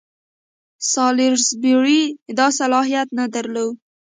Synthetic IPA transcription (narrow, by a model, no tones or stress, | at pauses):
sɑlɪɾzbɪɾid̪ɑsalɑɦijat̪nad̪əɾlow